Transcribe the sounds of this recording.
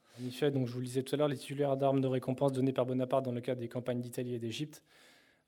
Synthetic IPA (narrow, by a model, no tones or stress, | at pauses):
ɑ̃nifɛd̪ɔ̃kʒəvuld̪izɛt̪u̥t̪alœʁlet̪i̥t̪ylɛʁd̪aʁmd̪əʁekɔ̃pɑ̃sd̪ɔnepaʁbɔnapaʁt̪̚d̪ɑ̃ləkad̪ekɑ̃paɲd̪it̪alied̪eʒip̚t̪